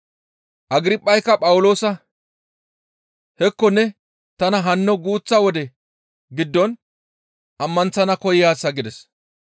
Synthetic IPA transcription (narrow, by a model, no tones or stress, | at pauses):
ʔɐɡɪɾɪpʼːɐjkːɐpʼɐwʊlo̞ːsɐ | hɛkːɔnːɛ | t̪ɐnɐɦɐnːɔɡuːt͡sːɐwɔd̪ɛ | ɡɪd̪ːɔn | ʔɐmːɐnt͡sːɐnɐkɔjjaːsːɐɡɪd̪ɛs